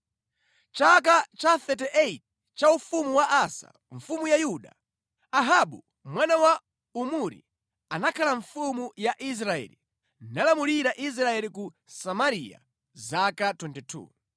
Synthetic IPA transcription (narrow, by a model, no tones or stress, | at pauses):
t͡ʃak̬at͡ʃaθɛtɛʔɛt̚ | t͡ʃaufumuwaʔasa̰ | ɱfumujajuɗa̰ | aɦaɓu | mwanawa | umuɾḭ | anakʰalaɱfumujaʔis̬ɾaɛ̰ːlḭ | nalamuliɾaʔis̬ɾaɛliku | samaɾija̰ | zakatwɛntɛtʰṵː